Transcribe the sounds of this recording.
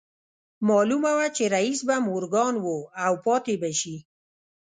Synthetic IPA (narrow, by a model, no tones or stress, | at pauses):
mɑlumawat͡ʃeɾaisbamʊɾɡɑnwoawpɑt̪ebaʃi